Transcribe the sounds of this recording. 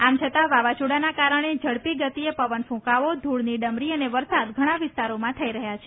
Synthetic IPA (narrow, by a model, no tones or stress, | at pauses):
amt͡ʃʰət̪aʋaʋat͡ʃoɽanakaɾəɽ̃ed͡ʒəɽpiɡət̪iepəʋənfũkaʋod̪ʱuɭniɖəmɾiəneʋəɾsad̪ɡʱəɽ̃ãʋɪst̪aɾomãt̪ʰəiɾəɦjat͡ʃʰe